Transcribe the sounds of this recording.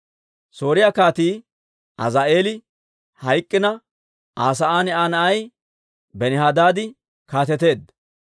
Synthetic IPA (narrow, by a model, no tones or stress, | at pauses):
so̞ːɾɪjaːkaːt̪iː | ʔɐ̰zaːʔe̞ːlɪ | hɐjkʼːɪnɐ | ʔaːs̬ɐʔaːnɛʔaːnɐʔɐj | bɛnɪhaːd̪aːd̪ɪ | kaːt̪ɛt̪e̞ːd̪ɐ